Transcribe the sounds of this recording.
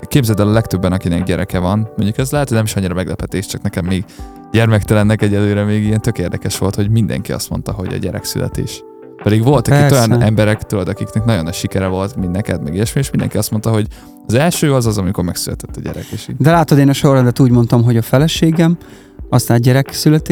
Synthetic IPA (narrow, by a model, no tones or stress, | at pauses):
keːbzɛlt̪ɛlɒlɛkt̪øbːɛnɒkinɛɡɟɛɾʔɛkɛvɒnmoɲɟukɛzlɛɦɛt̪ːdnɛmiʃɒɲːiɾɒmɛɡlɛpɛt̪eːʃt͡ʃɒknɛkɛmːeːɡ | ɟɛrmɛkt̪ɛlɛnːɛkɛɟɛlːøːɾɛmeːɡijɛnt̪ø̞keːrd̪ɛkɛʃʋo̞lt̪ho̞ɟmind̪ɛ̰ŋkiɒ̰st̪mo̞̰nt̪ɒɦo̞̰ɟɒ̰ɟɛɾɛ̰ksy̰lɛ̰t̪ḛːʃ | pɛd̪iɡʋo̞lt̪ɒkijɒnɛmbɛɾɛkt̪ulɒd̪ɒkiknɛknɒɟo̞nɛʃikɛɾɛvo̞lt̪minnɛkɛd̪mɛ̰ɡiɛʃmieʃmind̪ɛ̰ŋkiɒst̪mo̞nt̪ɒɦo̞ɟ | ɒzɛlʃøːɒzɒzɒmiko̞rmɛksylɛt̪ɛt̪ːɒɟɛ̰ɾɛ̰keːʃid̪ɛlaːt̪od̪eːnɒʃo̞rɒd̪ɛt̪uːɟmo̞nt̪ɒmɦo̞ɟɒfɛlɛʃeːɡɛm | ɒst̪aːnɟɛɾɛksylɛt̪e